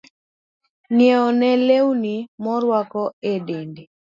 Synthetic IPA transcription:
njeɔnɛlewnimɔɾwakɔedendi

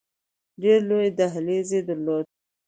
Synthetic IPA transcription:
ɖeɾlojed̪aɦlezed̪əɾlod̪̚

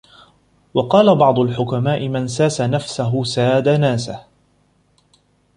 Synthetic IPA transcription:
wɑqɑːlabɑʕd̪ˤʊlħʊkamaːʔɪmansaːsanafsaɦʊsaːd̪anaːsah

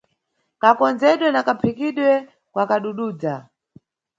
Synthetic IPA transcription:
kakɔnd͡zɛɗwɛnakapʰikiɗwɛ | kwakaɗuɗuːd͡za

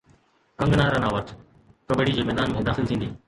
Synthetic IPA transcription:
kɐ̃ŋɡnaːɾãnãːʋɐt | kəɓeɽid͡ʑeːmɛːd̪aːnmẽd̪aːxɪlt̪ʰĩːn̆d̪iː

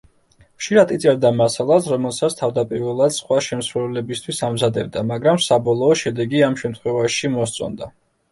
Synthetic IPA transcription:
χʃiɾat̪it̪sʼɛɾd̪amasalˠasɾɔmɛlˠsat̪sʰt̪ʰavd̪apʼiɾvɛlˠad̪̥sχwaʃɛmsɾɛvlɛbist̪ʰwisamzad̪ɛbd̪amaɡɾamsabɔlˠɔːʃɛd̪ɛɡiamʃɛmt̪ʰχwɛvaʃimɔst̪sʼɔ̰nd̪a

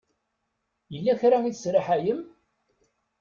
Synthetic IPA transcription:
jəlːæçɾaiθsɾaħæjəm

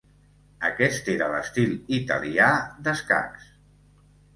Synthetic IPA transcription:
əkɛst̪eɾələst̪ilit̪ə̰liad̪əska̰ks

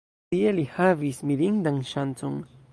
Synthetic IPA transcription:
ijelihavismiɾiŋd̪aŋʃant͡sʊŋ

